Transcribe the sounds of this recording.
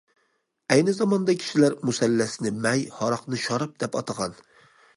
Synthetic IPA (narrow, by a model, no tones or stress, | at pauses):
ɛjnɪzɑmɑnd̪ɑkʲʰi̥ʃilæɾmusælːæsɪnɪmɛjhɑɾɑqnɨʃɑɾɑp̚d̪̥ɛpɑt̪ʰɑʁɑn